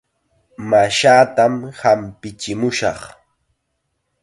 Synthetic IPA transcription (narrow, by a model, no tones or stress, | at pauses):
maʃaːt̪amhampɪt͡ʃɪmʊʃɑ̰χ